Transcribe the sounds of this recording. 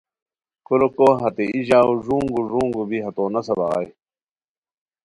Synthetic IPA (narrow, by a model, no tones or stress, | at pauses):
kulokoɦɐt̪eiʑaːuʐuːŋɡuʐuːŋɡubiɦɐt̪oːnɐsɐbɐʁa̰j